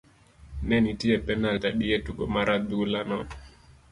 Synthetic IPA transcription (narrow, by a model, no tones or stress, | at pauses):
nɛnitiɛpɛnaltaɗiɛtuɡɔmaɾaɓiulanɔ